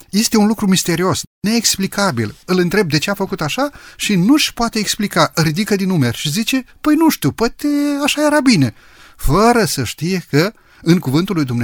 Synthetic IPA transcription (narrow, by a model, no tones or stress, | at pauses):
je̞st̪e̞unlukɾumist̪e̞ɾio̞sne̞ːksplikabḭlɨlɨnt̪ɾe̞b̚d̪e̞t͡ʃe̞afəkut̪aʃaʃinuʃpoat̪e̞ːksplikaɾid̪ikəd̪inume̞rʲʃizit͡ʃe̞pəjnuʃt̪iwpoat̪eaʃaje̞ɾabine̞ | fəɾəsəʃt̪ije̞kə | ɨŋkuvɨnt̪ulujd̪umne